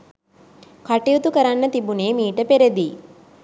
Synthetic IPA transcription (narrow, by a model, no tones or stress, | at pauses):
kaʈijut̪ukəɾanːət̪ibuneːmiːʈəpeɾed̪iː